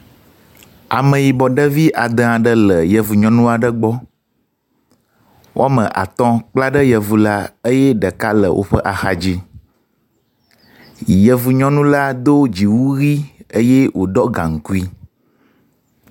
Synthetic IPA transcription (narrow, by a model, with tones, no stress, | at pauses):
a̰˨mə̃˨ji˨bɔ˨ɖə˦vi˦ʔa˨d̪ə̃˦a˨ɖə˦lə˨jə˨vu˨ɲɔ̃˦nũ˦a˨ɖə˦ɡ͡bɔ˦ | wʔo˦a˦mə̃˨ʔa̰˨t̪ɔ̃˦k͡pla˦ɖə˦jə˨vu˨la˦ə˦jɛ˦ɖə˨ka˦lə̰˨wʔo̰˦ɸə˦ʔa˨xa˨d͡ʑi˦˨ | jə˨vu˨ɲɔ̃˦nũ˦la˦d̪o˦d͡ʑi˨wu˦ɣi˦ə˦jɛ˦wʔo˨ɖɔ˦ɡã̰˨ŋ̩˨ku˦i˦